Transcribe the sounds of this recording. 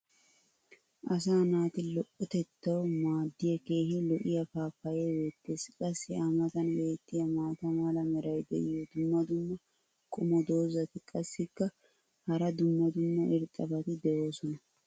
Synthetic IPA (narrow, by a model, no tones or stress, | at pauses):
ʔɐs̬aːnaːt̪ɪlɔʔʊt̪ɛt̪ːɐwmaːd̪ːɪjɐke̞ːhɪlɔʔɪjɐfaːfɐjɛweːt̪ːeːskʼɐsːɪamɐt̪ɐnweːt̪ːɪjɐmaːt̪ɐmalɐmɛɾɐjd̪ɛ̰ʔɪjɔd̪ʊmːɐd̪ʊmːɐ | kʼʊmɔd̪o̞ːzɐt̪ɪkʼɐsːɪkːɐ | hɐɾɐd̪ʊmːɐd̪ʊmːɐʔɪɾt̪ʼɐbɐt̪ɪd̪ɛʔo̞ːsɔnɐ